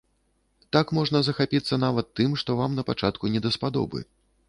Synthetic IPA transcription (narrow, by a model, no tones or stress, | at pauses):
t̪akmɔʐnɐzɐxapʲit̪sːɐn̪avɐt̪ːɨmʂt̪ɔvamnɐpat͡ʂat̪kunʲɛd̪ɐspad̪ɔ̰bɨ̰